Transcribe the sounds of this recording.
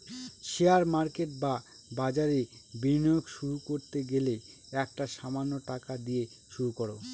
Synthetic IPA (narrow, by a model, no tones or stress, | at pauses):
ʃeaɾmaɾkeʈ̚ba | bad͡ʑaɾebinɔjokʃuɾukoɾt̪eɡele | ɛk̚ʈaʃamanːoʈakad̪ije | ʃuɾukoɾo